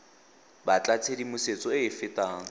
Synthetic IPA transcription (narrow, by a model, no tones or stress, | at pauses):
bat͡ɬʼat͡sʰedimʊset͡sʼɔɪːfɪtʼaːŋ̩